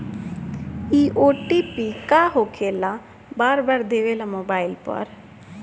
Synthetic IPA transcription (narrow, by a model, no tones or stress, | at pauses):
iːʔoːʈiːpiːkaːɦoːkʰeːlaː | baːɾbaːɾd̪eːʋeːlamoːbaːɪlpə̰ɾ